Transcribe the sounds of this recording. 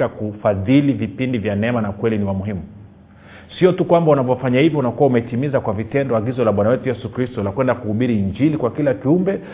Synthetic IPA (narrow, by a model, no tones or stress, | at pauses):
akufaðilivipindivjanɛmanakwɛliniwamuɦimu | siɔtukwambaunavɔfaɲahivjɔunakuwaumɛtimizakwavitɛndɔaɡizɔlaɓwanawɛtujɛsukɾistɔlakwɛndakuhuɓiɾiːɲd͡ʒilikwakilakiumbɛ